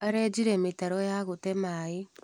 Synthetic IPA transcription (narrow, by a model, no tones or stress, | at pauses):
aɾed͡ʒiɾemitaɾojaɣotemae